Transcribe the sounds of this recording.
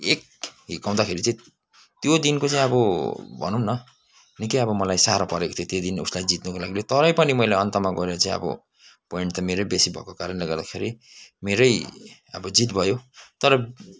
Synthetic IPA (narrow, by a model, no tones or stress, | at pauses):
ek̚ | ɦikaw̃d̪akʰeɾit͡saĩ | t̪jod̪inkot͡saĩʌbʌbʱʌ̰nunːʌ | nikeʌbʌmʌlajsaɾapʌɾekot̪ʰjõt̪jed̪inuslajd͡zit̪nukolaɡilet̪ʌɾʌjpʌnimʌjlaʌnt̪ʌmaɡʌɾeɾʌt͡saĩʌ̰bʌ̰ | poiɳʈt̪ʌmeɾʌjbesibʱʌ̰kokaɾʌnleɡʌrd̪akʰeɾi | meɾʌjʌbʌd͡zit̪bʱʌjot̪ʌɾʌ